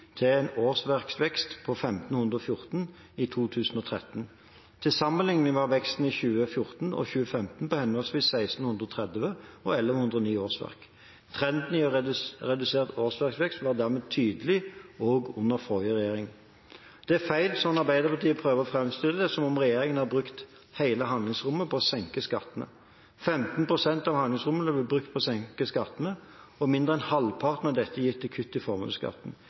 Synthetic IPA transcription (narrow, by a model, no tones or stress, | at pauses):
t̪ʰɪɛnoːsʋæʁksʋɛkst̪pʰɔfɛmt̪n̩hʉnd̪ʁɔfjʊʁt̪n | iːt̪ʰuːt̪ʰʉːsn̩ɔt̪ʰʁɛ̰t̪n̩ | t̪ʰɪsɑmːəlɪŋnɪʋɑʋɛkst̪n̩iːçʉːəfjʊʁt̪n̩ɔ̰çʉːəfɛmt̪n̩pɔhɛnɔlsʋiːssæɪst̪n̩hʉnd̪ʁɔt̪ʰʁɛd̪ʋəɔɛlːəʋəhʉnd̪ʁɔniːoːsʋæ̰ʁk | t̪ʰʁɛnd̪nɪɔʁɛd̪ʉseːʁt̪oːsʋæʁksʋɛkst̪ʋɑːʁd̪æʁmeːt̪ʰyːd̪əlɪɔːɡʉnːəɾfɔʏəʁɛjeːɾɪŋ | d̪̥ɛæfæɪlsɔnɑʁbæɪd̪əʁpʰɑʁt̪ʰiːpʰʁøːʋəʁɔfɾɛmst̪ɪlːəd̪ɛsɔmɔmʁɛjeːɾɪŋənhɑʁbʁʉkt̪ | hæɪləɦɑnd̪lɪŋsʁʊmːəpʰɔːsɛŋkəskɑt̪ːənə̰ | fɛmt̪n̩pʰʁʊsɛnt̪ɑʋhɑnd̪ɪŋsʁʊmənblɪbʁʉk̚t̪̚pʰɔsɛŋkəskɑt̪ːənə | ɔmɪnd̪ʁəɛnhɑlpʰɑʁt̪nɑd̪ɛt̪ʰːəjɪt̪ʰːɪkʰʉt̪ːɪfɔʁmɑ̰ːʋskɑ̰t̪ːn̩